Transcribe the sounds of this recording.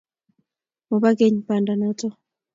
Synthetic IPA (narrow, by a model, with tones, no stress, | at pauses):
mɔ˨ba˦ke˦ɲpa˨nda˨nɔ˦tɔ˦